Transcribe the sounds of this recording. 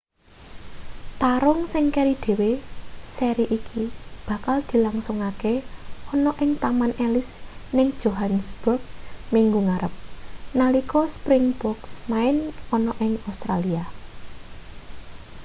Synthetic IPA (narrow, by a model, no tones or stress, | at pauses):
t̪aɾʊŋsɪŋkɛɾid̪̥e̤weseɾiʔikʰib̥a̤kald̪̥i̤laŋsʊŋakeɔnɔʔɪŋt̪amanɛlɪsnɪŋd̥ʒ̥oɦansb̥ʊrɡ̚miŋɡuŋaɾəp̚nalikɔspɾɪŋb̥ɔksmaɪnɔnɔʔɪŋast̪ɾalia